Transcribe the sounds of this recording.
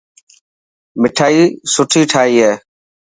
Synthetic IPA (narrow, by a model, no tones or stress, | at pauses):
mɪʈʰaːiːsʊʈʰiːʈʰaːiːɦeː